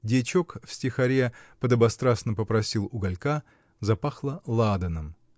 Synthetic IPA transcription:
dʲet͡ɕokfsʲtʲɪxɐɾʲepəd̪əbɐst̪ɾasnəpəpɾɐsʲilˠʊɡɐlʲka | zɐpaxlˠəlˠad̪ənəm

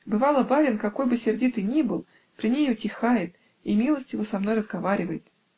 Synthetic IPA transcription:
bɨvɑlˠəbaɾʲɪnkɐko̞jbɨsʲɪrdʲit̪ɨnʲibɨlˠ | pɾʲɪnʲejʊtʲɪxajɪt̪ | imʲilˠəsʲtʲjɪvosɐmno̞jrəzɡɐvaɾʲɪvəjɪt̪

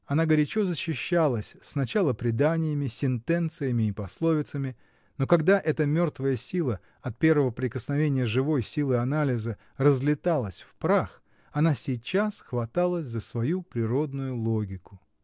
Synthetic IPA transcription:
ɐnaɡəɾʲɪt͡ɕo̞zəɕːɪɕːalˠəsʲsnɐt͡ɕalˠəpɾʲɪd̪anʲɪjəmʲɪsʲɪnt̪ɛnt̪sɨjəmʲɪːpɐslˠo̞vʲɪt̪səmʲɪ | no̞kɐɡd̪aʔɛt̪əmʲo̞rt̪vəjəsʲilˠə | ɐt̪̚pʲe̞rvəvəpɾʲɪkəsnɐvʲenʲɪjəʐɨvo̞jsʲilˠɨɐnalʲɪzə | rəzlʲɪt̪alˠəsʲfpɾax | ɐnasʲɪjt͡ɕːasxvɐt̪alˠəzəsvɐjupɾʲɪɾo̞d̪nʊjʊlˠoɡʲɪkʊ

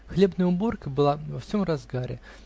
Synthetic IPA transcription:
xlʲebnɨjʊborkəbɨlˠavɐfsʲomrazɡaɾʲɪ̰

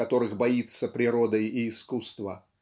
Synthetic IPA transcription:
ɐt̪o̞ɾɨxbɐit̪səpɾʲɪɾod̪əjiːskust̪və

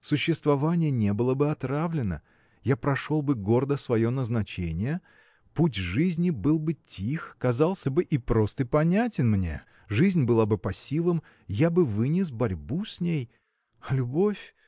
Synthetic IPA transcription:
sʊɕːɪst̪vɐvanʲɪjənʲe̞bɨlˠəbɨɐt̪ɾavlʲɪnə̰ | japɾɐʂo̞lˠbɨɡo̞rd̪əsvɐjo̞nəznɐt͡ɕenʲɪjə | putʲʐɨzʲnʲɪbɨlˠbɨtʲixkɐzɑlˠsʲəbɨʔipɾo̞st̪əɪpɐnʲætʲɪnmnʲe̞̰ | ʐɨzʲnʲbɨlˠabɨpɐsʲilˠəm | jabɨvɨnʲɪs̬bɐɾʲbusʲnʲej | lʲʊbo̞fʲ

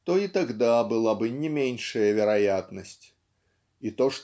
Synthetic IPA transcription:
t̪ɔit̪aɣd̪abɨlˠabɨnʲɛmʲenʲʂɐjɐvʲɛɾajat̪nɐsʲt͡sʲ | it̪ɔʂt̪

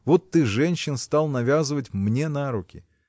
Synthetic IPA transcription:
vot̪ːɨʐɛnʲɕːɪnst̪alˠnɐvʲazɨvətʲmnʲe̞naɾʊkʲɪ̰

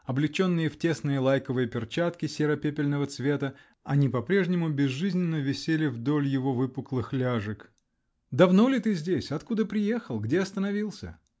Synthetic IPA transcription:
ɐblʲɪt͡ɕo̞nːɨjəftʲe̞snɨjəlˠajkəvɨjəpʲɪrt͡ɕat̪kʲɪsʲeɾɐpʲepʲɪlʲnəvət̪svʲe̞t̪ə | ɐnʲipɐpɾʲe̞ʐnʲɪmʊbʲɪzʐɨzʲnʲɪnːəvʲɪsʲelʲɪvd̪o̞lʲjɪvo̞vɨpʊklˠɨxlʲaʐɨk | d̪ɐvno̞lʲɪt̪ɨzʲdʲesʲɐt̪kud̪əpɾʲɪje̞xəlˠɡdʲeɐst̪ənɐvʲilˠsʲə̰

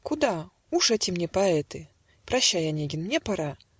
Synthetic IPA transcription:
kʊd̪a | uʂɛtʲɪmnʲepɐɛt̪ɨ | pɾɐɕːajanʲeɡʲɪnmnʲepaɾa

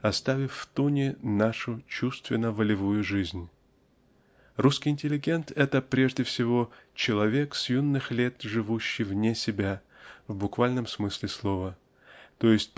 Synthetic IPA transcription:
ɐst̪avʲɪfft̪unʲɪnaʂʊt͡ɕust̪vʲɪnːəvəlʲɪvujʊʐɨzʲnʲ | ruskʲɪjɪnʲtʲɪlʲɪɡʲe̞nt̪ʰɛt̪əpɾʲe̞ʐdʲɪfsʲɪvo̞t͡ɕɪlˠɐvʲe̞ksjunːɨxlʲe̞t̪ʐɨvuɕːɪjvnʲesʲɪbʲa | vbʊkvalʲnəmsmɨsʲlʲɪslˠo̞və | t̪ojɪsʲt̚ʲp

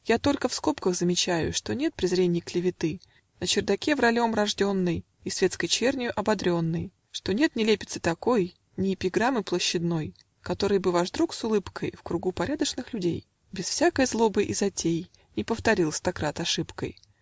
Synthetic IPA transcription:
jat̪o̞lʲkəfsko̞pkəɣzəmʲɪt͡ɕæjʊ̰ʂt̪o̞nʲe̞t̪̚pɾʲɪzɾʲenʲɪjklʲɪvʲɪt̪ɨ | nət͡ɕɪrd̪ɐkʲe̞vrɐlʲo̞mrɐʐdʲo̞nːɨj | isvʲe̞t̪skəjt͡ɕernʲɪjʊʔɐbɐd̪ɾʲo̞nːɨj | ʂt̪o̞nʲe̞t̪nʲɪlʲepʲɪt̪sɨ̥t̪ɐko̞j | nʲɪːpʲɪɡɾamɨplˠəɕːɪd̪no̞j | kɐt̪o̞ɾɨjbɨvaʐd̪ɾuksʊlˠɨpkʰəjfkɾʊɡupɐɾʲad̪əʂnɨxlʲʉdʲej | bʲɪsfsʲakəjəzlˠo̞bɨʔɪzɐtʲej | ɪpəft̪ɐɾʲilˠst̪ɐkɾat̪ɐʂɨpkə̰j

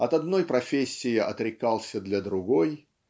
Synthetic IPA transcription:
ɐt̪ɐd̪no̞jpɾɐfʲesʲːɪjɪʔɐt̪ɾʲɪkalˠsʲəd̪lʲɐd̪ɾʊɡoj

